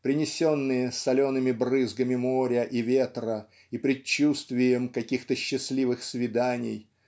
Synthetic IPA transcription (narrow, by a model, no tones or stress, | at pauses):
pɾʲɪnʲɪsʲo̞nːɨjəsɐlʲo̞nɨmʲɪbrɨzɡəmʲɪmoɾʲəʔivʲe̞t̪rə | ipɾʲɪt͡ɕːust̪vʲɪjəmkɐkʲixt̪əɕːɪslʲivɨxsvʲɪd̪anʲɪ̰j